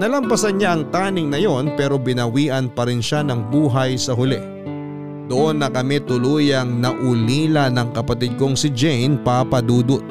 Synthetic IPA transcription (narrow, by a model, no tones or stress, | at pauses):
nɐlɐmpɐsɐnɲaʔɐŋt̪aːnɪŋnɐjo̞npɛːɾo̞bɪnɐwiːʔɐnpɐɾɪnʃanɐŋbuːɦɐjsɐɦʊlɛ | d̪̥oʔo̞nːɐkɐmɛt̪ʊluːjɐŋnɐʔʊliːlɐnɐŋkɐpɐt̪ɪd̪̚ko̞ŋsɪd͡ʒɛjnpapɐd̪uːd̪ʊt̪̚